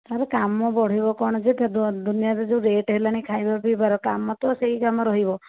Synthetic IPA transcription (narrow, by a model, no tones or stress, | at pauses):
t̪aɾɔkamɔbɔɽ̤ibɔkɔɽ̃ɔd͡ʒet̪d̪d̪unijaɾed͡ʒẽɾeʈɦelañikʰajbabibaɾɔkamːɔt̪ɔseɦikamɔɾɔɦibɔ